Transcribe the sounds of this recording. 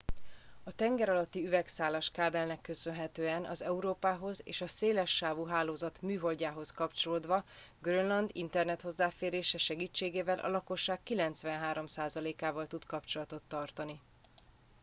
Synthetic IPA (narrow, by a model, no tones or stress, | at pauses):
ɒt̪ɛŋɡɛɾɒlɒt̪ːiyvɛksaːlaʃkaːbɛlnɛkːø̞sønɦɛt̪øːɛnʔɒ̰zɛuɾoːpaːɦo̞zḛːʃɒseːlɛʃːaːvuɦaːloːzɒt̪myːɦo̞lɟaːɦo̞skɒpt͡ʃo̞loːd̪ʋɒ | ɡrønlɒnd̪ḭnt̪ɛrnɛt̪ho̞zːaːfeːɾeːʃɛʃɛɡiːt͡ʃːeːɡeːvɛlʔɒ̰lɒko̞ʃːaːkːilɛnt̪svʋɛnɦaːɾo̞msaːzɒleːkaːvɒlt̪ut̪kɒpt͡ʃo̞lɒt̪o̞t̪ːɒrt̪ɒni